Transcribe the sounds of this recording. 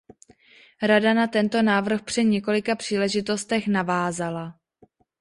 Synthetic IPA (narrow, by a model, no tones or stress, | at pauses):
ɾadanat̪ɛnt̪o̞naːvr̩xpr̝̥ɪɲɛko̞lɪkapr̝̥iːlɛʒɪt̪o̞st̪ɛxnavaːzala